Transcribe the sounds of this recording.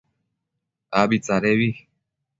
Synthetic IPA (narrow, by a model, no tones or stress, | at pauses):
aβit͡saɾeβi